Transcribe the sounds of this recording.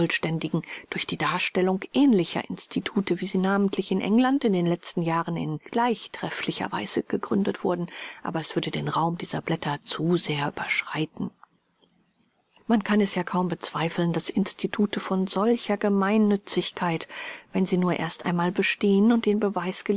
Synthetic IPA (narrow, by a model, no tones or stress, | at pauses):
ɔlʃtɛndɪɡŋ̩d̥ʊɐçd̥iːdaːɐʃtɛlʊŋʔɛːnlɪçɐ̰ʔɪnstʰitʰuːtəviːziːnaːməntʰlɪçɪnʔɛ̰ŋlantɪndeːnlɛt͡stn̩jaːʁənɪ̰nɡ̥laɪçtʁ̥ɛflɪçɐ̰va̰ɪz̥əɡ̥əɡʁʏndətv̥ʊɐdn̩ʔa̰ːbɐɛsv̥ʏɐdədeːnʁaʊmdiːzɐ̰blɛtɐt͡suzeːɐʔy̰ːbɐʃʁ̥aɪtn̩ | mankʰanɛsjaːkʰaʊmbət͡sv̥aɪfl̩ndasɪnstʰitʰuːtʰəfɔnzɔlçɐɡəmaɪnːʏt͡sɪçkʰaɪtvɛnziːnuːɐʔḛːɐstʔa̰ɪnmaːlbəʃteːənʊntd̥eːnbəvaɪsɡ̥ə